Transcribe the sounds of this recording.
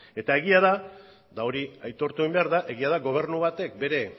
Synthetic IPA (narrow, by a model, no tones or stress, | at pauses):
e̞t̪ae̞ɣiaða | d̪ao̞ɾiajt̪o̞ɾt̪uimbe̞aɾðaʔe̞ɣ̞iað̞aɡo̞β̞e̞ɾnuβat̪e̞k̚be̞ɾe̞